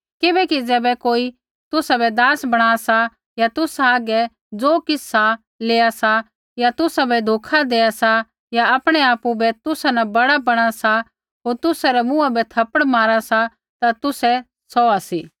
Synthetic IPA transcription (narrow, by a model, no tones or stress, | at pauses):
kɪbɛkid͡zɛːbɛkoːi | t̪ʊsabɛd̪aːsbɐɽ̃aːasa | jat̪ʊsaaːɡɛ | d͡zoːkɪsa | leːasa | jat̪ʊsabɛd̪ʱoːkʰad̪eːasa | jaɐpɽ̃ɛaːpubɛt̪ʊsanɐbɐɽabɐɽ̃asa | ɦoːɾt̪ʊsaɾɛmũabɛt̪ʰɐpəɽmaːɾasa | t̪at̪ʊsɛ | sɔasiː